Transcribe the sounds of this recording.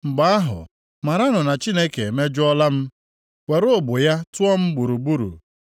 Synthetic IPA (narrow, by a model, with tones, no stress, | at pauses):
mŋ͡m̩˨ɡ͡ba˦a˦ɦʊ̰˨ | ma˨ɾa˦nʊ˨na˨t͡ʃi˦ne˦ke˨me˦d͡ʒʊ˦ɔ˦la˦m̩˦ | we˨ɾo˦˨bʊ˨ja˦tʊ˦ɔ˦m̩˦ɡ͡bu˨ɾu˨bu˦ɾṵ˨